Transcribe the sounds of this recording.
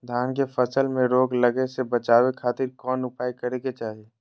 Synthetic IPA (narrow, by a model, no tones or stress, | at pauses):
d̪ʱaːnkefʰəsəlmẽɾoːɡləɡesebət͡ʃaːwekʰaːt̪ɪɾkɔːnʊpaːikəɾeɡet͡ʃaːɦieː